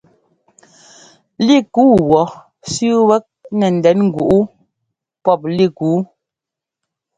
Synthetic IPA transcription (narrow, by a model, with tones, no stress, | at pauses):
li˦˨kuː˦wɔ˨ | sʉ˦wɛ˦k̚nɛ˨n̩˨dɛ˨˦nŋ̩˦ɡu˨ʔu˦ | pɔ˦˨p̚li˦˨ku˨˦